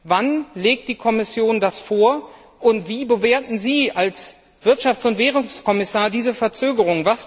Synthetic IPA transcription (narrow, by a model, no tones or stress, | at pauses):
vanleːk̚t̚d̥iːkʰɔmɪsjoːndasfoːɐ | ʔʊntv̥iːbəveːɐtn̩ziːʔals | v̥ɪɐtʃaftt͡sʊntv̥eːʁʊŋskʰɔmɪsaːɐdiːzəfɛɐt͡søːɡəʁ̞ʊŋvas